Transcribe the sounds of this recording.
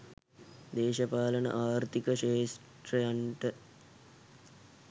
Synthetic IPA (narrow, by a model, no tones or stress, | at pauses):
d̪eːʃɐpaːlənə̰ʔaːɾt̪ikəʃeːs | ʈɾəjaɳʈə